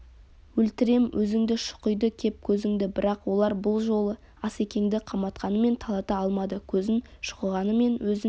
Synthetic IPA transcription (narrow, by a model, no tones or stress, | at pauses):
wɵlt̪ɪɾe̞mwʔɵzɪŋd̪ɪʃʊ̥qəjd̪əkʲʰe̞p̚kʲʰɵzɪŋd̪ɪbɪɾɑqwo̞lˠɑɾbʊlˠʒo̞lˠə | ɑse̞kʲe̞ŋd̪ɪqʰɑmbɑt̪qɑnəme̞nt̪ʰɑlˠɑt̪əɑlˠmɑd̪əkʲʰɵzɪnʃʊ̥qəʁɑnəme̞nwɵzɪ